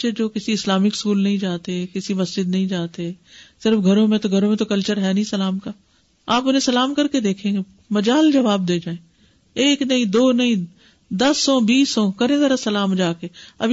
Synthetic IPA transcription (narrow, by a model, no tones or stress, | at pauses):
t͡ʃed͡ʒoːkɪsiɪslaːmɪkskuːlnɐɦĩd͡ʒaːt̪eɦɛkɪsimɐsd͡ʒɪd̪nɐɦĩd͡ʒaːt̪eɦɛːsɪɾfɡʱɐɾõmẽt̪oɡʱɐɾõmẽt̪okɐlt͡ʃəɾɦɛːnĩsɐlaːmkaː | aːpʊnẽsɐlaːmkɐɾked̪eːkʰẽːɡe | mɐd͡ʒaːld͡ʒɐʋaːb̚d̪eːd͡ʒaːẽː | eːknɐɦĩd̪oːnɐĩ | d̪ɐsːɔ̃ːbiːsɔ̃ːkɐɾẽzɐɾasɐlaːmd͡ʒaːkeɐ̰b